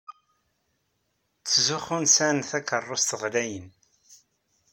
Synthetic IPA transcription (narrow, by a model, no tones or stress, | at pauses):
t͡sːzʊχʊnsænθækːərˤːost̪əʁlæjən